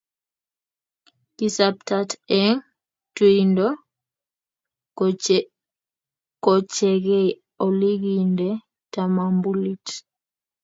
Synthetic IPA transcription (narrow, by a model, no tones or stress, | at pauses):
kisap̚tatɛŋ | twindɔ | kɔt͡ʃɛɣɛ | ɔliɡindɛ | tamambulit